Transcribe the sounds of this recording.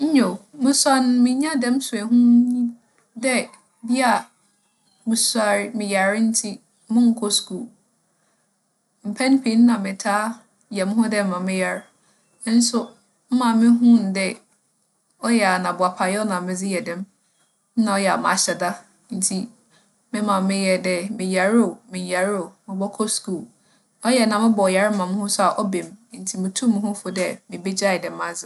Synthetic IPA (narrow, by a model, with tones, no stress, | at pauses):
ɲ̩˦ɲo˨mɪ̃˦sa˦n˨mɪ̃˨ɲã˦dɛ̃˦m˦sʊ˨æ˨ɦũ˦ɲĩ˦ | dɛ˦ | bi˦a˨ | mɪ̃˨sa˨ɾmɪ̃˨ja˨ɾn̩˦tʰi˦ | mʊ̃˦ŋ̩˨kʰɔ˦skuː˦˨ | m̩˨pʰɛ̃˦n˦pʰe˨˦n˦nã˨mɪ̃˨tʰaː˦ | jɛ˨mɪ̃˦ɦʊ̃˦dɛ˦m˦mã˨mɪ̃˦ja˨ɾ | n̩˦sʊ˦ | m̩˦mã˨mɪ̃˦ɦũ˦˨n˨dɛ˦ | ɔ˦jɛ˨a˨nã˨bʊ˨a˨pʰa˨jɛ˦nã˨mɪ̃˦d͡zɪ˦jɛ˨dɪ̃˦m˦ | nã˨ɔ˦jɛ˨a̰˨ma̰˨ɕɛ˨da˦ | n̩˨tʰi˦ | mɪ̃˦mã˨m˦mɪ̃˦jɛ˨dɛ˦mɪ̃˨ja˨ɾo˨mɪ̃˨ja˨ɾo˨mɪ̃˨bɔ˦kʰɔ˦sku˦˨l | ɔ˦jɛ˨nã˨mɪ̃˦bɔ˨ja˨˦ɾ̩˦mã˨m̃˦hʊ̃˦sʊ˦a˨ʔɔ˦bẽ˨m˦n̩˨˦tʰi˨mɪ̃˨tʰu˦m̃˦hʊ̃˦fʊ˨dɛ˦mɪ̃˨be˦d͡ʑa˦ɪ˨dɛ̃˨m˦ã˦d͡zɪ˨